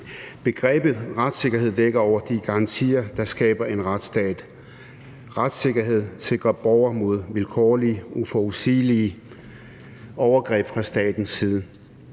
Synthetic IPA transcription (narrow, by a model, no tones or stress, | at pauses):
b̥e̝ɡ̥ʁɛ̰ːb̥ð̩ˠʁad̥se̝ɡ̥ɐɦe̝ð̰ˠd̥eɡ̥ɐɒʊ̰ɐd̥iɡ̥ɑ̈ɑ̈nt͡sʰḭːɐd̥ɑ̈sɡ̥ɛːb̥ɐe̝nʁad̥sd̥ɛ̰ːd̥ | ʁad̥se̝ɡ̥ɐɦe̝ð̞̰ˠse̝ɡ̥ʁɐb̥ɒʊ̰ɐmo̝ð̞ˠʋelkʰɒːliʔufɒusiːli | ɒʊɐɡ̥ʁɛ̰ːb̥fɑ̈sd̥ɛ̰ːd̥n̩siːð̞ˠə